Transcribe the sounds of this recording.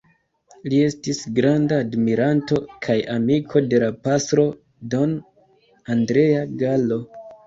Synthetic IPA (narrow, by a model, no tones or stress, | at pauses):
lie̞stisɡɾandaːdmiɾanto̞kʰajamikʰo̞de̞lapasɾo̞ | do̞n | andɾe̞aɡalo̞